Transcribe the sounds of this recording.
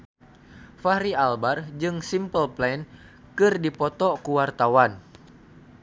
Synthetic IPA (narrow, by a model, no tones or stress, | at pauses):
faɾialbard͡ʒɨŋsimpəlplɛn | kɨrdipɔt̪ɔkuwart̪awan